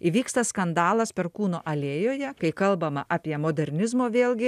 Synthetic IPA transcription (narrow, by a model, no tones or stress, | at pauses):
iʋʲiːkst̪ɐskɐnd̪ɑːlˠɐspʲɛɾkuːnoːʔɐlʲeːjoːjɛkɐɪkɐlˠbɐmɐʔɑːpʲiɛmoːd̪ʲɛɾʲnʲɪzmoːʋʲeːlˠʲɡʲɪ